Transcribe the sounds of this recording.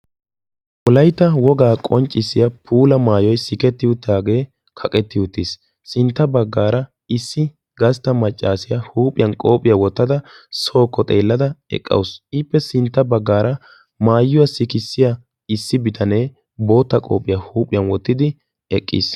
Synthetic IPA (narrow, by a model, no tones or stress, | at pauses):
wʊlɐjt̪ːɐwɔɡaːkʼɔnt͡ʃʼːɪsːɪjɐpʰuːlɐmaːjɔjsɪkɛt̪ːɪʊt̪ːaːɡe̞ː | kʰɐkʼɛt̪ːɪjʊt̪ːis | sɪnt̪ːɐbɐɡːaːɾɐ | ɪsːɪ | ɡɐst̪ːɐmɐt͡ʃʼːaːsɪjɐhuːpʼɪjɐnkʼo̞ːpʼɪjɐwɔt̪ːɐd̪ɐso̞ːkːɔt̪ʼeːlːɐd̪ɐɛ̰kʼːɐ̰wsɪpːɛsɪnt̪ːɐbɐɡːaːɾɐ | maːjːʊwɐsɪkɪsːɪja | ɪsːɪbɪt̪ʰɐneː | bo̞ːt̪ːɐkʼo̞̰ːpʼɪjɐhuːpʼːɪjɐnwɔt̪ːɪd̪ɪ | ɛkʼːḭːs